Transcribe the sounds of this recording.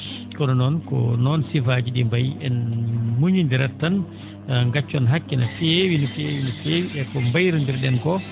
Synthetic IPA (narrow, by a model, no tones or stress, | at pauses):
kɔnɔnɔnkɔ̰nɔnsifaːd͡ʒiɗimbajɛnmuɲindiɾatːan | ŋɡat͡ʃːɔnɦakːinafewinɔfiewinɔfeːwiʔɛkɔmbajɾundiɾɗɛnkɔ